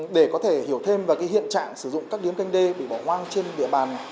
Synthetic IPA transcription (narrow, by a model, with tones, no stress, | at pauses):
ɗe˧˩kɔ˨˦t̪ʰe˧˩hi˨˧˩əwt̪ʰe˧mvaː˨˩kaː˨˦jɦḭ˧˨ənt͡ɕa̰ː˧˨ŋsɨ˧˩zʊ̰˧˨ŋ͡mkaː˦˥k̚ɗi˨˦əmka˧jŋ̟ɗe˧ɓḭ˧˨ɓɔ˧˩ŋwaː˧ŋt͡ɕe˧nɗḭ˧˨əɓaː˨˩n